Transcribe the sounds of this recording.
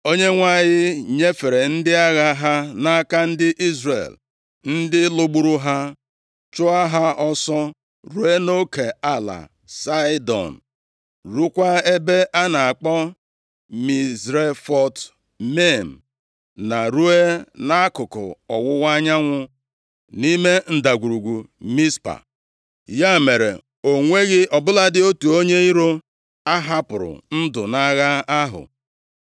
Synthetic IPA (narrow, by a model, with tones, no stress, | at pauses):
o˦ɲe˦ŋʷa˦˨ɲɪ˦ɲe˦fe˨ɾe˨n̩˦dɪ˦a˦ɣa˦ɦa˦na˦ka˦n̩˦dɪ˦ʔi˦zrḛ˨l | n̩˦dɪ˦lo˦ɡ͡bu˦ɾu˦ɦa˦ | t͡ʃʊ˦a˦ɦa˦ɔ˦sɔ˦ | ɾu˦e˦no˦ke˨a˦la̰˨ | sa˦dɔ̰˨n̩˨ | ɾu˦kʷa˦e˦be˦ʔa˦na˨a˨k͡pɔ˦ | mi˨zɾe˦fɔ˦t | me˦˨m̩˨ | na˨ɾu˦e˦na˦kʊ˨kʊ̰˨ɔ˨wʊ˦wa˦ɲa˦ŋʷʊ˦ | ni˦me˦n̩˨da˨ɡʷu˨ɾu˨ɡʷu˨mi˦spa̰˨ | ja˦˨me˨ɾḛ˨ | o˨ŋʷe˦ɣɪ˦ʔɔ˨bʊ˦la˦dɪ˦o˦tu˨o˦ɲe˦i˦ɾo˦ | a˦ɦa˦pʊ˨ɾʊ̰˨n̩˦dʊ˨na˦ɣa˦a˦ɦʊ̰˨